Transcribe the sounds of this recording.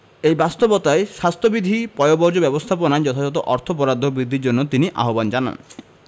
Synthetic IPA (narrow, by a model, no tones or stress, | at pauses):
ejbast̪obot̪aeʃast̪ʰobid̪ʱipɔjobɔɾd͡ʒobɛbost̪ʰaponaed͡ʒɔt̪ʰad͡ʒɔt̪̬oʔɔɾt̪ʰopɔɾad̪ʱːobɾid̪ʱːiɾd͡ʒonːot̪iniʔa̰ɦoband͡ʒana̰n